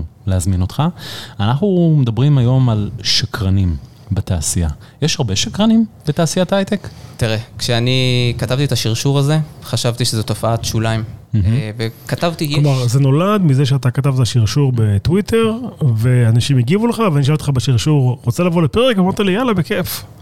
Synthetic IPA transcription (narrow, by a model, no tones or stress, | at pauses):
leazminot̪χaanaχnumed̪abʁimajo̞malʃakʁanim | beta̰ːsia̰ | jeʃhaʁbeʃakʁanimb̥etaːsiatajt̪ektiʁekʃeanikatavt̪it̪aʃiʁʃuʁaze̞χaʃavt̪iʃezot̪ofaat̪ʃulaimm̩vekatavt̪iklomaʁzeno̞lad̪mizeʃ̬eat̪̬akat̪avtaʃiʁʃuʁbe̞twitʰe̞ʁve̞anaʃimiɡivuleχaveaniʃaltχabeʃiʁʃuʁʁot͡selavo̞lepeʁekvamaʁt̪alijalabekef